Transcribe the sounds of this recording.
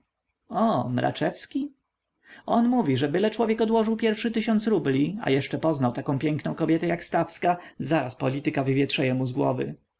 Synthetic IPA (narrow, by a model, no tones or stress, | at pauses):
ɔmɾʔa̰t͡ʂɛfskʲi | ʔɔnmuvʲiʐɛbɘlɛt͡ʂwɔvʲjɛkɔd̪wɔʐɘwpʲjɛɾfʂɘt̪ɘɕɔnt̪sɾublʲia̰jɛʂt͡ʂɛpɔznawt̪akɔ̃w̃pʲjɛŋknɔ̃w̃kɔbʲjɛt̪ɛjakst̪afskazaɾaspɔlʲit̪ɘkavɘvʲjɛtʂɛjɛmuzɡwɔ̰vɘ̰